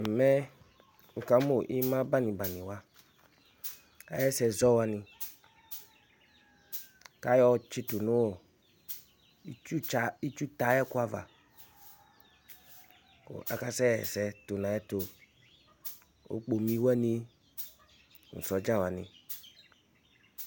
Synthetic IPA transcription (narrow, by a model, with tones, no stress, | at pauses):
mɛ˦ | ŋ̩˨ka˨˦mo˦˨ʔi˦mã˦ba˦nĩ˨ba˨nĩ˨wa˦ | ka̰˦jɛ˦sɛ˧zɔ˦wa˧nĩ˧ | ka˦jɔ˦t͡ʃi˦tu˨nũ˦wɔ˨˦ | u˦˨i˦t͡ʃu˦ta˨˦jɛ˦ku˦a˨va̰˨ | o̰˨ʔa̰˨ka˦sɛ˦ɛ˨sɛ˨to˨nã˨jɛ˦to˧ | o̰˨˦k͡po˨mĩ˦wɛ˦nĩ˧˨ | ŋ̩˨sɔ˨˦d͡ʒa˦˨wa˨nḭ̃˨